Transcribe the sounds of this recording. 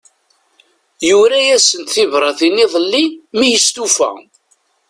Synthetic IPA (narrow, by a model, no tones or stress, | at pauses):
juɾæjæsənt̪θivɾˤɑθiniðˤəlːimijəst̪ufæ̰